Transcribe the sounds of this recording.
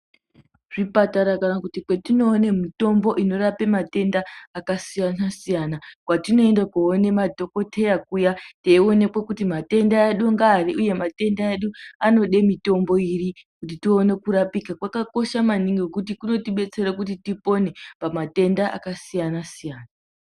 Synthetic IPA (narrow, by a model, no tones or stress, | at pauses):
ʐipataɾakanakutikwe̞tino̞ːne̞mito̞mbo̞ʔino̞rape̞mate̞ndaːkasijanasijanakwatino̞e̞ndakuone̞madʱo̞ko̞tʰe̞jakujateio̞ne̞kwekutimate̞ndaeɗuŋɡaːriʔuje̞mate̞ndaeɗuano̞ɗe̞mito̞mbo̞irikutitione̞kuɾapikakwakako̞ʃamaniŋɡekut̬ikuno̞tiɓe̞t͡se̞ɾakut̬itipo̞ne̞pamate̞ndaʔa̰kasijanasijaːna